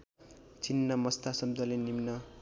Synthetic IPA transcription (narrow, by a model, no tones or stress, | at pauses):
t͡sinːʌmʌst̪asʌbd̪ʱʌlenimnʌ